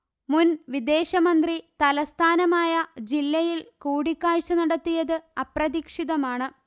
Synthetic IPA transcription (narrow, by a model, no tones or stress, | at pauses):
munʋid̪e̞ːɕɐmɐnd̪rit̪ɐlɐst̪ʰaːnɐmaːjɐd͡ʑilːɐjilkuːɽikːaːɻt͡ɕɐnɐɽɐt̪ːijɐðɨɐprɐðikʂiðɐmaːɳɨ